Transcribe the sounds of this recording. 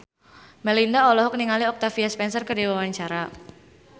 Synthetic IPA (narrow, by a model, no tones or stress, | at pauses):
mɛlindaɔlɔɦɔk̚niŋaliɔk̚t̪afiaspɛnsərkərdiwawaɲt͡ʃaɾa